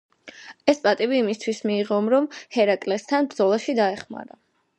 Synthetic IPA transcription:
ɛspʼat̪ʼibiːmist̪ʰwismiːʁɔmɾɔmhɛɾakʼlɛst̪ʰanbɾd̪zɔlˠaʃid̪aɛχma̰ɾa

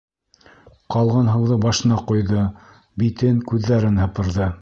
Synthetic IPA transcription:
qɑlˠʁɤnɦɤ̆wðɤbɑʃɤ̆nɑqujðɤ | bit̪ɘŋkʉðːæɾɘnhɤ̆pɤ̆ɾðɤ

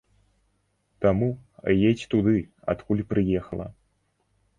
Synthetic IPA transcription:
t̪amujet͡sʲt̪ud̪ɨ | a̰t̪kulʲpɾɨjɛxɐlˠɐ̰

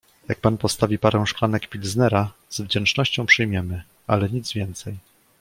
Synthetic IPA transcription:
jak̚panpɔst̪avʲipaɾɛw̃ʂklanɛkpʲilznɛɾaz̥vd͡ʑɛnt͡ʂnɔɕt͡ɕɔ̃w̃pʂɘjmʲjɛmɘ | alɛɲid̪zvʲjɛnt̪sɛj

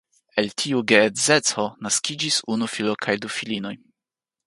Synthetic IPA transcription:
e̞ltʰiuɡeːze̞t͡so̞naskid͡ʒisunufilokʰajdufilino̞j

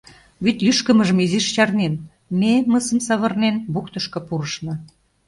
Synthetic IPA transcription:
βyt̪jyʃkə̆məʒə̆miziʃt͡ɕɑrnen | meməsə̆msɑβɤ̆rnenbukt̪əʃkɤ̆puɾəʃnɤ̆

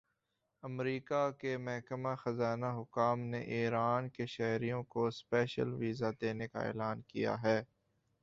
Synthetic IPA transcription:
ɐmɾiːkakemɐɦkəmaxɐzaːnaɦʊkaːmneʔiːɾaːnkeʃɛɦɾijõkospɛːʃə̰lʋiːzad̪eːneka̰ḛːlaːnkija̰ɦɛː

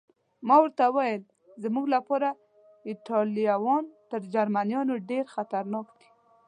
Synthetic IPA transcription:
mɑwəɾt̪awajəl | zəmuɡlapɑɾa | ɪʈɑlijawɑnt̪əɾd͡ʒaɾmanjɑnoɖeɾxat̪aɾnɑkd̪e̥

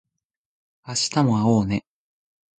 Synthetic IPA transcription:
aɕi̥t̪amo̞aoːne̞

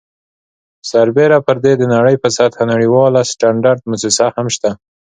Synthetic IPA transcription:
saɾbeɾapəɾd̪ed̪ənaɽəjpəsat̪hanaɽiwɑlasʈaɳɖaɾd̪̚mʊsisahamʃt̪a

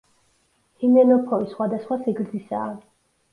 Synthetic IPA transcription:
hinɛnɔpʰɔvisχwad̪asχwasɛɡɾd̪zisa̰ː

